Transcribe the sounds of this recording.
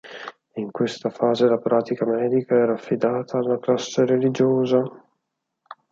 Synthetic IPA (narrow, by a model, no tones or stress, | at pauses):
iŋkwest̪afaːzelapɾʔaːt̪ikamɛːd̪ikaɛːɾaːfːid̪aːt̪ʰaːlːaklasːeɾelid͡ʒoːza